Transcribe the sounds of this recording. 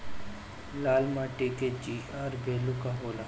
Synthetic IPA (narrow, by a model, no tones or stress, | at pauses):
laːlmaʈɪked͡ʒiːaːɾbeːlukaɦoːla